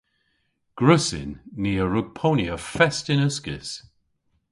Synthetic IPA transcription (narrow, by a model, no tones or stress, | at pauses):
ɡ̥ɹʉsɪ̰nːiːəɹʊɡ̥̚pʰoːnjəfɛstɪnəskɪ̰s